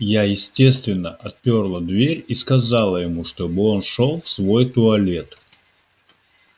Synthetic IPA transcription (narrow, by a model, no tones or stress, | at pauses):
jajɪsʲtʲe̞st̪vʲɪnːəʔɐt̪̚pʲorlˠəd̪vʲeɾʲiskɐzalˠəjɪmuʂt̪o̞bɨo̞nʂo̞lˠfsvo̞jt̪ʊɐlʲe̞t̪